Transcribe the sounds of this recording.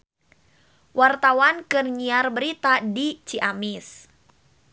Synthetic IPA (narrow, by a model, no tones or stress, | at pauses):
wʔart̪awankərɲiarbəɾit̪adit͡ʃiʔamɪs